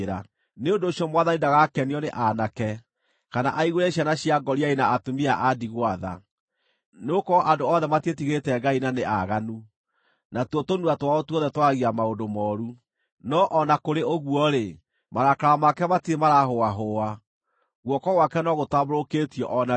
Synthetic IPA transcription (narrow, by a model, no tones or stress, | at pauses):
ɾa | neondoːɕiɔmwaðanidaɣakɛniɔneʔanakɛ | kana̰ʔaiɣoɾɛɕjanaɕiaɡɔɾiainaːtomiaʔadiɣwaða̰ | neokɔʔandoɔðɛmatietiɣetɛɡainaneʔaɣanu | natwɔtonuatwaɔtuɔðɛtwaɣiamaondomɔɾu | nɔʔɔnakoɾeoɣwɔɾe | maɾakaɾamakɛmatiemaɾaɦoaɦoa | ɣwɔkɔɣwakɛnɔɣotaβoɾokeːtiɔʔɔna